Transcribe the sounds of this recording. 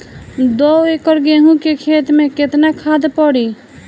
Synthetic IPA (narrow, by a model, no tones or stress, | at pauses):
d̪ɔekəɾɡeɦũkekʰet̪meket̪nakʰad̪pɔɽi